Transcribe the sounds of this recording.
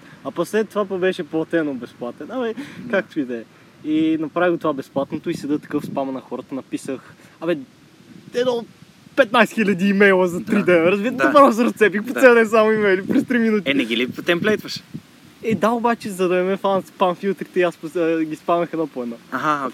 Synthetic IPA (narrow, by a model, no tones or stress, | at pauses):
ɐposlɛt̪ovapɐbɛʃɛplˠɐt̪ɛnobɛsplˠat̪ɛnɐmɛkak̚t̪oid̪ɛ | inɐpɾaviɡot̪ovabɛsplˠat̪not̪oisɛd̪ɤt̪ɐ̥kɤfspamɐnɐxɔɾət̪ɐnɐpisəx | ɐmɛ | ɛd̪ɔ | pɛt̪̚najsɛ̥xilʲɐd̪iːmɛjlˠəzɐt̪ɾid̪ɛnɾɐzbit̪ət̪ɐpaɾzɾɐst̪sɛp̬ixpoɛd̪ɛsamoimɛjlipɾɛst̪ɾiminut̪iɛnɛɡʲilipt̪ɛmplɛjt̪vəʃ | ɛd̪aobat͡ʃɛzɐd̪ɐɛmɛfˠanspanfilˠt̪ɾit̪ɛiaspɡʲispanəxɛd̪nɔpoɛd̪nɔaɦa